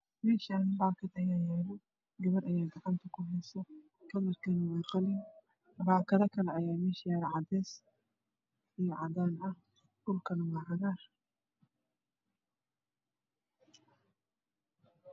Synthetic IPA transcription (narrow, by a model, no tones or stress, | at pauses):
mɛːʃanbaːkʰɐd̪ɐjaːjaːlɪ | ɡɐβɐɾʔɐjaːɡɐʕɑnt̪ʰɐkʰʊɦɛjsɐ | kʰɐlɐɾkʰɐnɪwɛqɑlɪn | baːkʰɐðɐkʰɐlɛɐjaːmɛːʃjaːɾʕɑd̪ɛːs | ijɔʕɑd̪aːnɐ | ɡʊlkʰɐnɐwɑːʕɑɣaːr